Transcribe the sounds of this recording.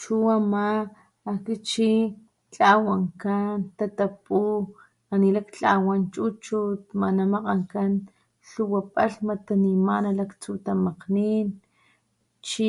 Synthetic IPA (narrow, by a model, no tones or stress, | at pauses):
t͡ʃuamaː | kit͡ʃi | t͡ɬawaŋkant̪at̪apu | anilakt͡ɬawant͡ʃut͡ʃut̪manamaqaŋkan | ɬuwapʼaɬmat̪animanalakt͡sut̪amaqnin | t͡ʃi